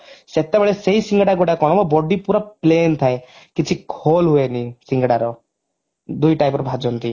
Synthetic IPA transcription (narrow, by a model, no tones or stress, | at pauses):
set̪ebɔɭeseisiŋɡɽaɡoʈakɔɽ̃ɔbɔbɔɖipuɾaplent̪ʰaekit͡ʃʰikʰolɦuenisiŋɡɽaɾɔ | d̪ujʈajpɔɾbʱad͡ʒɔnt̪i